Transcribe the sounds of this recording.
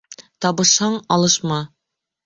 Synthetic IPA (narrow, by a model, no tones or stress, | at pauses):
t̪ɒbɤ̆ʃhɑɴɒlˠɤ̆ʃmɑ